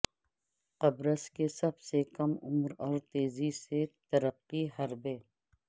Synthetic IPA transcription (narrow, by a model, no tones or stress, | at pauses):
qɐbɾəskesɐbsekɐmʊmɾɔːɾt̪eːziset̪ɐɾəqːiɦɐɾbeː